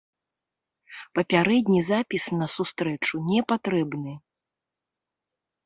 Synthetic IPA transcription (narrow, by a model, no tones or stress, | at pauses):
pɐpʲaɾɛd̪ʲnʲizapʲisnɐsust̪ɾɛt͡ʂunʲɛpat̪ɾɛbnɨ